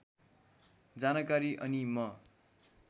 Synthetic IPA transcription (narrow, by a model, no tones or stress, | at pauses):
d͡zanʌkaɾiʔʌnimʌ